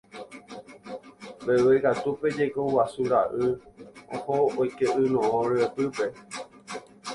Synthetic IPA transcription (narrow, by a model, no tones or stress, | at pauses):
bewekat̪upe̞d͡ʒekowasuɾaʔɨohoojkeʔɨnõõɾɨepɨpe̞